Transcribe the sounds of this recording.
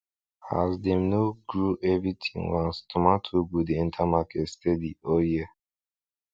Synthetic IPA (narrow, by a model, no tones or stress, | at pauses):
ha̰zd̪emnoɡɹuʔɛvɹit̪ʰĩŋwãnst̪ʰumatʰuɡud̪iĩntʰamakʰɛtstɛdiɔjɛ